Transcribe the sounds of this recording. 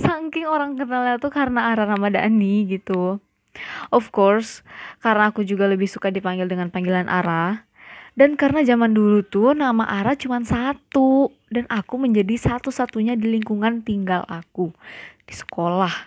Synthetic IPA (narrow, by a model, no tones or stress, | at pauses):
saŋkɪŋoɾaŋkənalalt̪ukaɾənaːɾanamada̰ʔniɡit̪u | ʔɔfkɔrskaɾənaːkud͡ʒuɡaləbɪhsukadipaŋɡɪldəŋanpaŋɡilanʔa̰ɾa | dankaɾənad͡ʒamandulut̪ʊnamaʔaɾat͡ʃumansat̪u | danʔakuməɲd͡ʒadisat̪usat̪uɲadiliŋkuŋant̪iŋɡalakud̥isə̥kolah